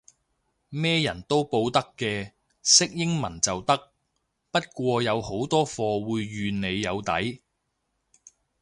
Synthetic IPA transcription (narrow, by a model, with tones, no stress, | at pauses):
mɛː˥jɐ˨˩nt̪o˥wpo˧wt̪ɐ˥kːɛː˧ | sɪ˥k̚jɪ˥ŋmɐ˨˩nt͡sɐ˨wt̪ɐ˥k̚ | pɐ˥t̚kʷɔː˧jɐ˨˧who˨˥wt̪ɔː˥fɔː˧wuː˧jːyː˨˧ne˨˧jːɐ˨˧wt̪ɐ̰˨˥j